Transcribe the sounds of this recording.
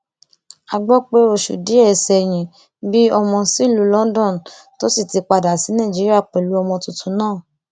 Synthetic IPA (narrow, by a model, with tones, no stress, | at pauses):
a˧ɡ͡bɔ˦k͡pe˦o˦˧˨ʃṵ˨di˨˦ɛ˦˨sɛ˧˨j̃ĩ˧ | bi˦ɔ˧mɔ̃˧si˦˨lu˨˦lɔ̃˦n˦dɔ̃˦˨n˨ | to˦si˦˨ti˧k͡pa˧da˨si˨˦nã˦˨d͡ʒi˨˦ɾi˦a˦˨k͡pe˨lu˨˦ɔ˧mɔ̃˧tu˧tʰũ˧˦nãː˦˨